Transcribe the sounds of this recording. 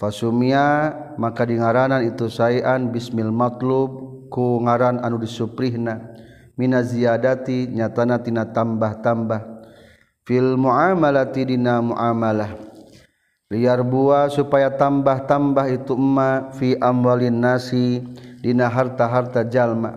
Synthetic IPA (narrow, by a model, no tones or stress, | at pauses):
fasumiamakadiŋaɾananit̪usaiʔanbismilmat̪lub̚kuŋaɾananudisupɾiɦna | minaziadat̪iɲat̪anat̪inat̪ambaht̪ambah | filmuʔamalat̪idinamuʔamalah | liarbuasupajat̪ambaht̪ambaɦit̪uəmːafiʔamwalinːasidinaɦart̪aɦart̪ad͡ʒalma̰